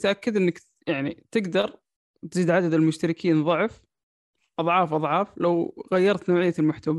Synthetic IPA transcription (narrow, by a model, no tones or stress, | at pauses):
t̪ʔakːad̪ʔɪnːɪk | jaʕnit̪ɪɡd̪ɑɾˤ | t̪ziːd̪ʕad̪ad̪almʊʃt̪aɾɪkʰiːnðˤʊʕf | ʔɑðˤʕɑːfʔɑðˤʕɑːflawɣajːɑɾˤt̪noːʕɪjːalmʊħt̪ama